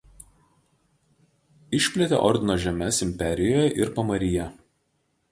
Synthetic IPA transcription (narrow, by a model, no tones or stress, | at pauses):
ɪʃʲpʲlʲɛt̪ʲḛʔɔɾʲd̪ʲɪnoːʒʲɛmʲɛsɪmʲpʲɛɾʲɪjoːjɛʔɪɾpɐmɐɾʲɪjɛ